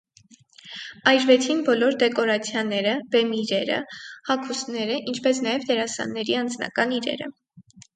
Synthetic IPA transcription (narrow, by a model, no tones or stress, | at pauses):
ɑjɾvɛt͡sʰinbɔlɔɾd̪ɛkɔɾɑt͡sʰjɑnɛɾəb̥ɛmiɾɛɾə̰hɑkʰusnɛɾəʔint͡ʃʰpɛsnɑjɛvd̪ɛɾɑsɑ̰nːɛɾiɑnd͡znɑ̰kɑniɾɛ̰ɾə̰